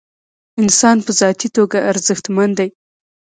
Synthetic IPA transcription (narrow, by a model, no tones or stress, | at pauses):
ɪnsɑnpəzɑt̪it̪oɡaːɾzəxt̪mand̪aj